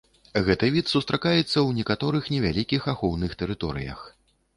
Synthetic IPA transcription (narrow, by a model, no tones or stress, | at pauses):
ɣɛt̪ɨvʲit̪sust̪ɾakajɛt̪sːɐwnʲɛkat̪ɔɾɨxnʲɛvʲalʲikʲixaxɔwnɨxt̪ɛɾɨt̪ɔɾɨ̰jɐ̰x